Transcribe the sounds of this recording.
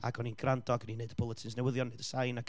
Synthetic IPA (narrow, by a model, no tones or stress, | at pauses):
a̰ɡɔninɡrandɔɡənineɨdəbʰʊlˠətʰɪnsnɛwəðjɔneɨdəsaɨjnaɡ